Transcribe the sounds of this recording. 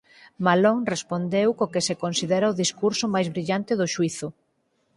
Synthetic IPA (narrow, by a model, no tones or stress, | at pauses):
maloŋrespond̪ewkokesekonsiðɛɾaoðiskuɾsʊmajzβɾiʎant̪ɪðʊʃuiθʊ